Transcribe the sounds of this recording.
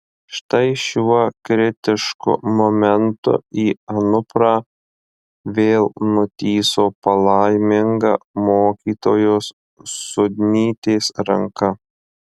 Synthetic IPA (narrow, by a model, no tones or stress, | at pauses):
ʃt̪ɐɪʃʲuɔkɾʲɪt̪ʲɪʃkʊ̰mɔmʲɛnt̪ʊ̰iːɐnʊpɾaː | ʋʲeːlˠnʊt̪ʲiːsoːpɐlˠɑɪmʲɪŋɡɐ̰moːkʲiːt̪oːjoːsː | ʊd̪ʲnʲiːt̪ʲeːsɾɐŋkɐ